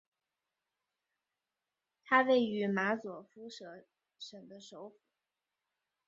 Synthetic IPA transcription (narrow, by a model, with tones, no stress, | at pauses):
t̪ʰa˥we˥˩ɪy˧˥ma˧˥t͡swɔ˨˩fu˥ʂɤ˧˥ | ʂə˨˩ŋd̪ə˦ʂo˧˥ʊfu˨˩˦